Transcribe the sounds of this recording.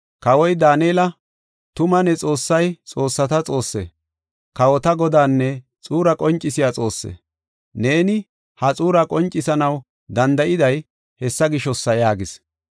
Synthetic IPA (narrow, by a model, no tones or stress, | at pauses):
kɐwɔjd̪aːneːlɐ | t̪ʊmɐnɛt͡sʼo̞ːsːɐjt͡sʼo̞ːsːɐt̪ɐt͡sʼo̞ːsːɛ̰ | kɐwɔt̪ɐɡɔd̪aːnːɛ | t͡sʼuːɾɐkʼɔnt͡ʃʼːɪsɪjat͡sʼo̞ːsːɛ̰ | ne̞ːnɪ | hɐt͡sʼuːɾɐkʼɔnt͡ʃʼːɪsɐnɐw | d̪ɐnd̪ɐʔɪd̪ɐj | hɛsːɐɡɪʃɔsːɐjaːɡɪs